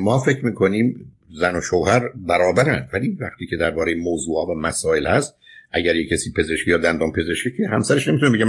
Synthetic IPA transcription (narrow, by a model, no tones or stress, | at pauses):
mɒːfecʰɾmiːkʰo̞niːm | zæno̞ʃowhæɾbæɾɒːbæɾæ̰nd̪væliːvæχt̪ʰiːcʰe̞d̪æɾbɒːɾejemoːzuːhɒːvæmæsɒːelhæst̪̚ʔæɟæɾjecʰːæsiːpʰe̞ze̞ʃkʰejɒːd̪ænd̪ɑːnpʰe̞zeʃkʰecʰehæmsæɾeʃne̞mit̪unebeɟe